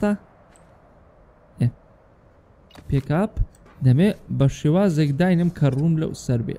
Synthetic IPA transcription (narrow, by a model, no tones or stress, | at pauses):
a | e | peːkaːp | d̪ɐmebɐʃeːwaːzekd̪aːjnɨmkʰɐruːmlɐ̰wsɐɾbḛ